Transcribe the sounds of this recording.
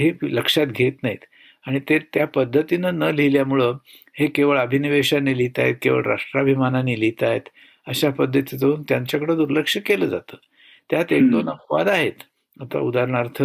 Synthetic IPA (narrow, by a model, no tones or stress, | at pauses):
ɦeləkʂat̪ɡʱet̪naɦit̪ | aɽ̃it̪eɾt̪japəd̪ʱːət̪inənəliljamuɭə | hekeʋəɭəbʱiniʋeɕanilit̪ajet̪̚keʋə̰ɭɾa̰ʂʈɾabʱimananilit̪ajet̪ | əɕapəd̪ʱːət̪id͡zəunt̪jaɲt͡ɕakəɽəd̪uɾləkʂjəkeləd͡za̰t̪əː | t̪jat̪ek̚d̪onəpʋad̪aɦet̪ | at̪a̰ud̪aɾɳ̃aɾt̪ʰə